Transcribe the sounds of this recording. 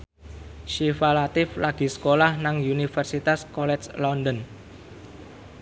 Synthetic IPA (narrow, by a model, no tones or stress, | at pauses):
ʃifalat̪ɪflaɡ̥i̤sə̥kolahnaŋunifərsit̪askɔlɛt͡ʃlɔndən